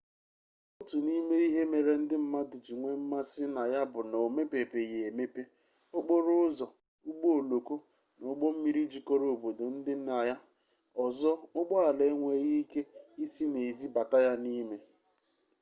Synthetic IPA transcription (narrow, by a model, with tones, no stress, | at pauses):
o˦tu˨ni˦me˦i˦ɦe˦me˨ɾe˨n̩˦dɪ˦m̩˦ma˦du˨d͡ʒi˨ŋʷe˦m̩˦ma˦sɪ˦na˨ja˦bʊ˨no˨me˦pe˨pe˨ɣe˨e˨me˦pe˦ | o˦ɡ͡bo˦ɾʊ˦ʊ˦zɔ˨ | ʊ˦ɡ͡bo˦o˨lo˨ko˦ | no˨˦ɡ͡bɔ˦m̩˦mi˦ɾi˦d͡ʒi˨ko˦ɾo˨o˨bo˨do˨n̩˦dɪ˦a˨ja˦ | ɔ˨zɔ˦ʊ˦ɡ͡bɔ˦a˨le˨˦ŋʷe˦ɣi˦i˦ke˦i˦si˦ne˨zi˦ba˨ta˦ja˦ni˦me˦